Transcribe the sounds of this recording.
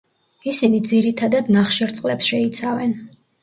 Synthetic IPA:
isinid̪ziɾit̪ʰad̪ad̪naχʃɛɾt̪sʼqʼlɛpsʃɛit̪sʰavɛn

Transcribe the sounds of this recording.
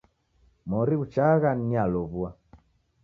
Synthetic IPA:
mɔɾiut͡ʃaɣanialɔβua

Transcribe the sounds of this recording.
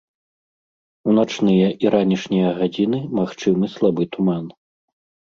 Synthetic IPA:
unat͡ʂnɨjɐʔiɾanʲiʂnʲijɐɣad͡zʲin̪ɨmaxt͡ʂɨmɨslˠabɨt̪uman

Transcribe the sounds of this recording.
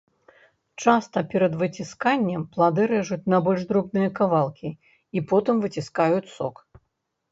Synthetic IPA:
t͡ʂast̪ɐpʲɛɾɐd̪vɨt͡sʲiskanʲːɛmplˠad̪ɨɾɛʐut͡sʲnɐbɔlʲʐd̪ɾɔbnɨjɐkavalˠkʲi | ipɔt̪ɨmvɨt͡sʲiskajut͡sʲsɔ̰k

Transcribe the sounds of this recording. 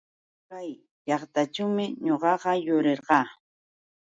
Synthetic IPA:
kaj | ʎɑχt̪at͡ʃawmɪɲoɢɑɢɑjʊɾeɾɢɑː

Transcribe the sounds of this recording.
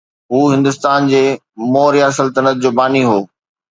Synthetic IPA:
ɦuːɦɪ̃nd̪ʊst̪aːnd͡ʑeː | moːɾijasəlt̪ənət̪̚d͡ʑoːbaːniɦoː

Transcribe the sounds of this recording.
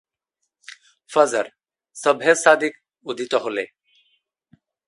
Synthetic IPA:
fəzəɾ | səbʱesaːd̪ik | ud̪ʱit̪ɔɦolḛ

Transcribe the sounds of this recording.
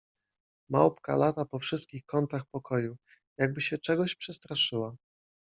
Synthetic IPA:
ma̰wpka̰lat̪apɔfʂɘst̪̚kʲixkɔnt̪axpɔkʰɔju | jaɡ̚bɘɕɛt͡ʂɛɡɔɕpʂɛst̪ɾaʂɘwa

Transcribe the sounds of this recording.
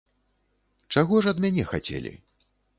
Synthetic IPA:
t͡ʂaɣɔʐɐd̪mʲanʲɛxat͡sʲɛ̰lʲḭ

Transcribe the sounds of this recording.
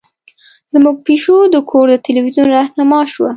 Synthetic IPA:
zmuɡ̚peʃod̪əkʰoɾd̪ət̪eliwizunɾahnamɑʃwa

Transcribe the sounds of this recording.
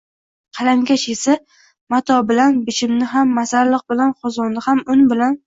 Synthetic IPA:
qʰɑlaŋɡʲaʃesa | mat̪ʰɒbɪlanbɪʃʰɪmnɪɦamːasaɾlɨq̚bɪlanqʰɒzɒnːɪhamʊnbɪlan

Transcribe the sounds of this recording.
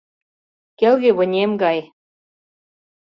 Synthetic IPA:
kelɣeβə̆nʲemɡɑj

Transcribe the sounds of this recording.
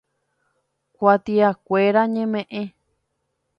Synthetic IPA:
kʷat̪iakʷeɾaɲẽmẽʔẽ

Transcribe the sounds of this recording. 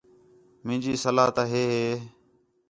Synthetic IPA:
mɪ̃ːd͡ʒiːsəlaːt̪aɦeːɦeː

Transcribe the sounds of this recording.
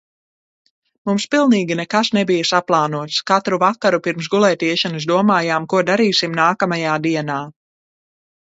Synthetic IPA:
mumspilˠniːɡʲinɛkasnɛbijɐsaplˠaːnuɔt̪skat̪ɾuvakaɾupiɾms̬ɡulˠɛːt̪iɛʃanɨsd̪uɔmaːjaːmkuɔd̪aɾiːsimnaːkamajaːd̪iɛnaː

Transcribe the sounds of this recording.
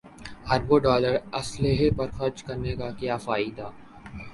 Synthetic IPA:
hɐɾboɖɔːləɾɐsleɦepɐɾxɐɾd͡ʒkɐɾnekakjaːfaːɪid̪aː

